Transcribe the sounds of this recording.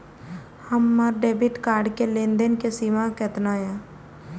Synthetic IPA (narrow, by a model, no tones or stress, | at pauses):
həmːaɾɖeːbɪʈkaːɾɖkelẽːnd̪ənkesiːmakɛːt̪naːjãː